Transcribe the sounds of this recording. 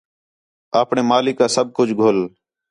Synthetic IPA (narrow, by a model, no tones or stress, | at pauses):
aːpɳeːmaːlɪkːaːsəb̚kʊd͡ʒʱɡʱoːl